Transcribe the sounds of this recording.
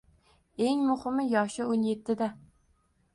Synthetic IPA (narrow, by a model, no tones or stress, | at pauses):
eŋmʊχɨmɪjɒʃɪonjet̪ʰːɪd̪a